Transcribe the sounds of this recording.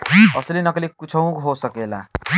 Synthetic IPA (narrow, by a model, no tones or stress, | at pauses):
ʌsʌlenʌkʌlekut͡sʰʌw̃ɦosʌkela̰